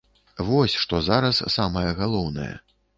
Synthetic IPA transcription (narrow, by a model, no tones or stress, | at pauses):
vɔsʲʂt̪ɔzaɾɐssamɐjɐɣalˠɔwnɐ̰jɛ̰